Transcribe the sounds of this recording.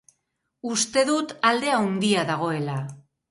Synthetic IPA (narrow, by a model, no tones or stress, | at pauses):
ust̪e̞ðut̪ald̪e̞awnd̪iaðaɣ̞o̞e̞la